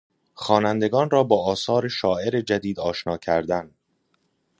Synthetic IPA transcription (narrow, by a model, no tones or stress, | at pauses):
xɒːnænd̪e̞ɡɒːnrɒːbɒːʔɒːsɒːɾe̞ʃɒːe̞ɾe̞d͡ʒæd̪iːd̪ɒːʃnɒːcʰæɾd̪æn